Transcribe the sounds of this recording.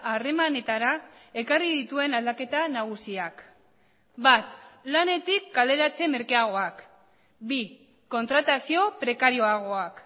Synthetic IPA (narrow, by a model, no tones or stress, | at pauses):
are̞mane̞t̪aɾa | e̞kariðit̪ue̞nald̪ake̞t̪anaɣ̞usiak | bat̪lane̞t̪ikːale̞ɾat͡se̞me̞ɾkeaɣ̞o̞ak | bi | ko̞nt̪ɾat̪asio̞pɾe̞kaɾio̞aɣ̞o̞ak